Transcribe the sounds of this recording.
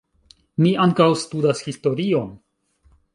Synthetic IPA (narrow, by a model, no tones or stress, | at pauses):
miaŋkawstudashisto̞ɾio̞n